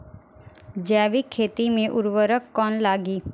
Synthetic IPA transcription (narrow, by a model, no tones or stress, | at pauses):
d͡ʒaːʋikʰːeːt̪imẽʔʊɾʋəɾəkːɔːnlaːɡiː